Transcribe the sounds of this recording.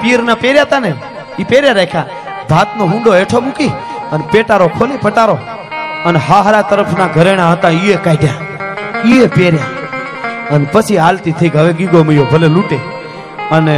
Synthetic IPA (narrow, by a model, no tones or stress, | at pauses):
piːɾnapeɾjat̪ane | ipeɾjaɾekʰja | bʱaːt̪noɦũɳɖoeʈʰomũkiənpeʈaɾokʰolipəʈaɾo | əneɦaɦɾat̪əɾəpʰnaɡʱəɾeɽ̃ãɦət̪ãiekaːiɖʱja | iepeːɾja | ənepət͡ʃʰiaːlt̪it̪ʰəiɡʱəʋeɡiɡoməjobʱəleluʈe | əne